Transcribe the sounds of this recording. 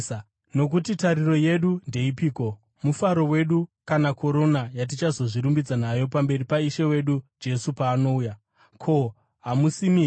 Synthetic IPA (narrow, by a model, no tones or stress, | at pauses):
no̞k̬utitaɾiro̞je̞ɗunde̞ipiːko̞ | mufaɾo̞we̞ɗukanako̞ɾo̞najat̬it͡ʃazo̞ʐiɾumbid͡zanajo̞pambe̞ripaiʃewe̞ɗud͡ʒe̞supaːno̞uːja | kʰo̞ | ɦamusimi